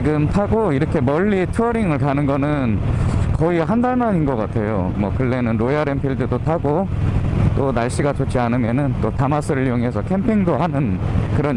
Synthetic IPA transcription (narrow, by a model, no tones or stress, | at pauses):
iɡɯmtʰaɡoiɾʌkʰe̞mʌʎːitʰɯʌɾiŋɯɭkanɯnɡʌnɯnkʌiɦandaɭmaɲinɡʌk͈atʰe̞jomwʌkɯɭːe̞nɯnɾojaɾempʰiɭdɯdotʰaɡo | t͈onaɭɕ͈iɡat͡ɕot͡ɕ͈ʰianɯmjʌnɯnt͈otamas͈ʰɯɾɯɭjoŋe̞sʰʌkʰe̞mpʰiŋdoɦanɯnkɯɾʌ